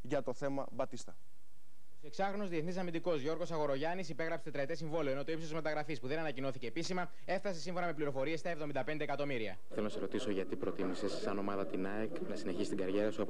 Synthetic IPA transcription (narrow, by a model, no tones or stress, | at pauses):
ʝɐt̪oθe̞mɐbɐt̪ist̪ɐ | ose̞ksɐxɾo̞no̞zðieθnisɐmind̪iko̞zʝo̞ɾɣo̞sɐɣo̞ɾo̞ʝɐnisipe̞ɣɾɐpset̪t̪ɾɐt̪esiɱvo̞lio̞eno̞t̪oipst̪zmɐt̪ɐɣɾɐfispuðe̞nɐnɐcinoθice̞ːpisimɐ | e̞fθɐse̞siɱfo̞nɐmepliɾo̞fo̞ɾie̞st̪ɐevðo̞mind̪ɐpe̞nd̪eːkɐt̪o̞miɾiɐ̰ | θelo̞nɐseɾo̞t̪iso̞ʝɐt̪ipɾo̞t̪imisesːɐno̞mɐðɐt̪inɐeknɐsine̞çist̪iɡɐɾʝeɾɐsuɐ